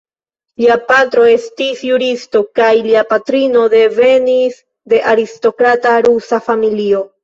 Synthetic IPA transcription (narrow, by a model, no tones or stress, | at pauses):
liapatɾo̞e̞stisjuɾisto̞kajliapatɾino̞de̞ve̞nis | de̞ʔaɾisto̞kɾataɾusafamilio̞